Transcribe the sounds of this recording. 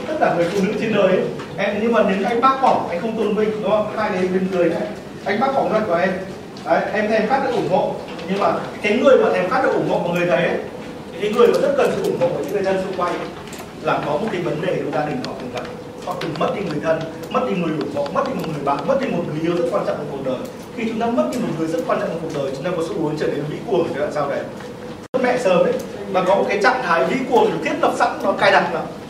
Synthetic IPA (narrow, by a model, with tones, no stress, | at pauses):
t̪ə˦˥t̚kaː˧˩ŋɨ˨˩əjfṵ˧˩nɨ̰˧˥t͡ɕe˧nɗəː˨˦j | ʔɛ˧mɲɨ˧ŋmaː˨˩ne˨˦n˧ʔa˧jŋ̟ɓaː˦˥k̚kɔ˧˩ʔa˧jŋ̟xə˧wŋ͡mt̪o˧nmï˧ŋ̟ɗɨ˨˦˧haː˧jn˨˩˧ɗe˧nkɨ˨˩əjʔə˨˦ | ʔa˧jŋ̟ɓaː˦˥k̚kɔ˧˩nzɔ˧˦jku˧˩ʔɛ˧m | ʔə˨˦jʔɛ˧mt̪ʰːɛ˧mxaː˦˥t̚ɗɨ̰˧˦ʔŋ͡mŋɔ̰˧˨ʔ | ɲɨ˧ŋmaː˨˩kaː˨˦jŋɨ˨˩əjmaː˨˩ʔɛ˧mxaː˦˥t̚ɗɨ̰˨˧˦ʔu˧˩ŋɔ̰˧˨kaː˨˩ŋɨ˨˩əjt̪ʰə˨˦jʔə˨˦ | kaː˨˦jŋɨ˨˩əjmaː˨˩zə˦˥t̚kə˨˩nsɨ̰˧˨ʔu˧˩ŋɔ̰˧˨ʔɔː˧˩ɲɨ̰˧˥ŋɨ˨˩zə˧nsɨ̰˧˨kwa˧j | laː˨˩kɔ˨˦mo˨˩t̚ka˨˦və˨˦nɗe˧˨˩ɗə˧˩zaː˧ɗï˨˩ŋnɔ˨˦tʰɨ˨˩la˨˩k | hɔa̰˨˧˨t̪ɨ˨˩ŋmə˦˥t̚ɗi˧ŋɨ˨˩əjt̪ʰə˧n | mə˦˥t̚ɗi˧ŋɨ˨˩əjʔu˧˩ŋɔ̰˧˨mə˦˥t̚ɗi˧mo˨˩t̚ŋɨ˨˩əjɓaː˨nmə˦˥t̚ɗi˧mo˨˩t̚ŋɨ˨˩˨ə˦zə˦˥t̚kwa˧nt͡ɕɔ̰˧˨ʔaː˨˧˩ku˨˩ək̚ɗəː˨˩j | xi˧t͡ɕʊ˨˦ŋ͡mt̪aː˧mə˦˥t̚ɗi˧mo˨˩t̚ŋɨ˨˩əjzə˦˥t̚kwaː˧nt͡ɕɔ̰˧˨ʔːku˨˩k̚ɗəː˨˩jt͡ɕʊ˨˦ŋ͡mt̪aː˧kɔ˨˦su˧˦ʔu˨˦əŋt͡ɕəː˧˩ɗe˨˧˨n˨˦vḭ˧˥kwu˨˩əŋʰ˨˦laː˨˩msaː˧wvə˨˩j | zt̚mɛ̰˧˨səː˧˩mʔə˨˦j | vaː˨˩kɔ˨˦mo˨˩ka˨˦jt͡ɕa̰˧˨ŋt̪ʰaː˨˦jvḭ˧˥ku˨˩əŋt̪ʰi˨˩t̪i˦˥ət̚lə˨˩p̚sa̰˧˥ŋ˧nɔ˨˦kaː˧jɗa˨˩ŋlaː˨˦